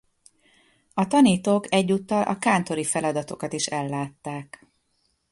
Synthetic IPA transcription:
ɒt̪ɒniːt̪oːkɛɟːut̪ːɒlʔɒ̰kaːnt̪o̞ɾifɛlɒd̪ɒt̪o̞kɒt̪iʃɛlːaːt̪ːaːk

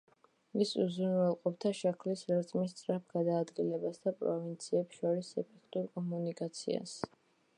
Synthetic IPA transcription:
visuzunvɛlˠqʼɔp̚ʰt̪ʰaʃakʰlisɾɛɾt̪sʼmist̪sʼɾap̚ʰɡ̥ad̪aːd̪ɡilɛbasd̪apʼɾɔvint̪sʰiɛpsʃɔɾisɛpʰɛkʰt̪ʼuɾkʼɔmunikʼat̪sʰḭa̰s

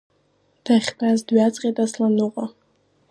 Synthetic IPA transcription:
d̥ʰaχʲtʰazdɥat͡sʼqʲʼetʼaslanɨqʼa

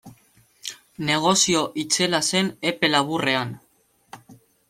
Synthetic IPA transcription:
ne̞ɣ̞o̞sio̞ʔit͡se̞lase̞ne̞pe̞laβure̞an

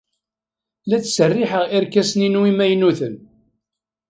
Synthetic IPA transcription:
læt͡sːsərːiħəʁiɾkæsninwimæjnuθən

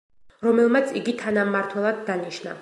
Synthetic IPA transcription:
ɾɔmɛlˠmat̪sʰiɡit̪ʰanamːaɾt̪ʰwɛlˠad̪ːaniʃna̰

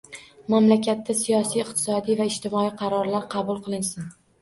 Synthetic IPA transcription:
mamlakʲʰat̪ʰːasijɒsijɪq̚t̪ʰɪ̥sɒd̪ijvaɪʃt̪ʰɪmɒijqʰɑɾɒɾlaɾqʰɑbʊlˠqɨlˠɪnsɪn

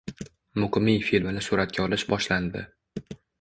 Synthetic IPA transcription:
mʊqɨmijfilmɪnɪsuɾat̪̚ɡʲaɒlɪʃbɒʃland̪ɪ̰

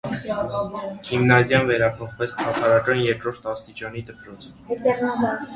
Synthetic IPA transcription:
kʰimnɑzjɑnvɛɾɑpʰɔχvɛt͡sʰt̪ʰɑt̪ʰɑɾɑkɑnjɛɾkɾɔɾt̪ʰɑst̪it͡ʃɑnid̪əpɾɔt͡s̪ʰ

